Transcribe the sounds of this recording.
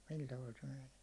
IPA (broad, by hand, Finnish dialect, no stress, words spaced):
sil tɑʋɑl se men̥e̥ː